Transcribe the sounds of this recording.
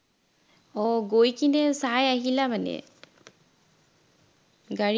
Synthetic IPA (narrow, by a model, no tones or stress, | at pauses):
ɔɡojkʰinɛsajaɦilamanɛ̰ | ɡaɹ